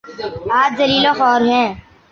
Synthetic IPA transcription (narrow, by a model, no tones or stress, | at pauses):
aːt͡ʃzɐliːlõxɔːɾɦɛ̃ː